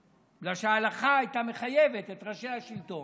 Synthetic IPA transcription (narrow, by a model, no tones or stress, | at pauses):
blaʃeaːlaχaajt̪ame̞χaje̞ve̞t̪et̪ʁaʃeaʃilt̪o̞n